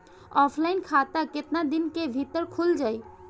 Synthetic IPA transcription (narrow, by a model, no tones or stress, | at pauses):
ɔpʰlaɪnkʰat̪aket̪nad̪inkebʱit̪əɾkʰuld͡ʒaj